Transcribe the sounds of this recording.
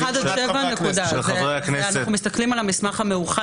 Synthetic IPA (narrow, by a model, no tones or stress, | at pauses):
adaʃevaanekud̪azeʁeakneaneχumist̪aklimalamismaχhameuχa